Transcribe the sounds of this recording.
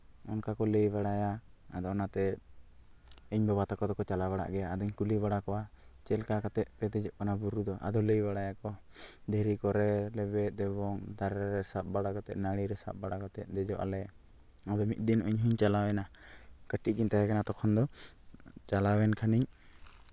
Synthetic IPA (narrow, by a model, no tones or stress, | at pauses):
ɔnkakɔləjbaɽaja | a̰d̪ɔnat̪ɛ | iɲbɛbat̪akɔd̪ɔkɔt͡ʃalabaɽa̰ʔɡɛjaad̪ɔɲkuliβaɽakɔwa | t͡ʃɛlkakat̪ɛʔ̪̚pɛd̪ɛd͡ʒɔʔkanabuɾud̪ɔʔa̰d̪ɔləjbaɽajakɔ | d̪ʱɛɾikɔɾɛlɛbɛt̪̚ˀd̪ɛbɔŋd̪aɾɛɾaɾɛsap̚baɽakɔt̪ɛ̰ʔ̪naɽ̃iɾɛsa̰p̚baɽakɔt̪ɛt̪̚ˀd̪ɛd͡ʒɔʔa̰lɛ | ab̪ɛmit̪̚ˀd̪inuɲɦuɲt͡ʃalawɛna | kəʈiʔ̚ˀɡint̪aɦɛkanat̪ɔkʰɔnd̪ɔ | t͡ʃalawɛnkʰaniɲ